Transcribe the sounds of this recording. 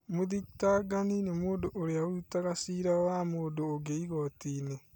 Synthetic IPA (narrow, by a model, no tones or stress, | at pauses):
moðitaɡaninemoːndoʔoɾeaoutaɣasiːɾawamoːndoːɡeiɣɔtiːne